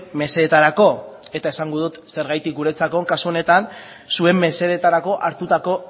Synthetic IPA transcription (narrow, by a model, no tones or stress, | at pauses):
me̞se̞et̪aɾako̞e̞t̪ae̞saŋɡoð̞ut̪se̞ɾɣajt̪ikuɾe̞t͡sako̞ŋkasuo̞ne̞t̪an | sue̞mːe̞se̞et̪aɾako̞ʔaɾt̪ut̪ako̞